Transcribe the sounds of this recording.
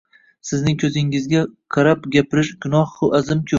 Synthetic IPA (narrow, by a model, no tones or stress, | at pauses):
sɪznɪŋkʲʰɵzɪŋɪzɡʲaqʰɑɾapɡʲapʰɪɾɪʃɡʊnɒhhʊʔazɪmkʲʰɵ